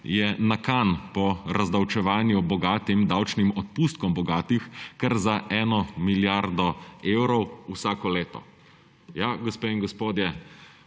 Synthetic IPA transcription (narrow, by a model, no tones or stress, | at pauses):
jɛnakanpɔɾazd̪awt͡ʃɛʋaːnjubɔɡaːt̪imd̪awt͡ʃnimɔt̪̚puːst̪̚kɔmbɔɡaːt̪ixkɛɾzaʔɛːnɔmiljaɾd̪ɔeːwɾɔwusaːkɔleːt̪ɔ̰ | jaɡɔspeːiŋɡɔspoːd̪jɛ